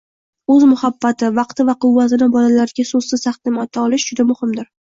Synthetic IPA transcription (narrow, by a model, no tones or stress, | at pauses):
ɵzmʊhabːat̪ʰɪvɑqt̪ʰɪvaqʊwvːat̪ɪnɪbɒlalaɾɪɡʲasoz̥sɪz̥t̪ʰaχt̪ɪmɒt̪ʰːaɒlˠɪʃd͡ʒʊd̪amʊhɪmd̪ɪɾ